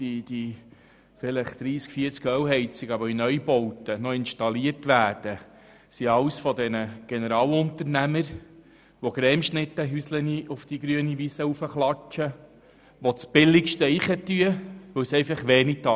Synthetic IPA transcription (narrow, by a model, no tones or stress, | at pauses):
didi | fɪləχd̪̥ɾiːskfiəɾt͡skœwɦɛɪt͡sɪɡɑbɔinœjbɔwtənɔɪnʃtɑliəɾtʋæːd̥ə | siɑwsfɔd̪ɛnəɡ̥enəɾɑːwʊnt̪əɾnæməɾ | ʋoɡɾɛːmʃnɪt̪ːəɦysləniufd̥iɡɾyəniʋisəufəχlɑt͡ʃə | ʋɔt͡sb̥ɪlːɪkʃtəiχət̪yəʋɵwsɛɪfɑχʋeːnit̪ɑ